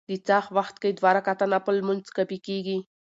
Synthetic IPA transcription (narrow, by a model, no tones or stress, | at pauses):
d̪it͡saxʋaxt̪kəjd̪ʋaɾakat̪anapəlmənt͡skəpikiɡi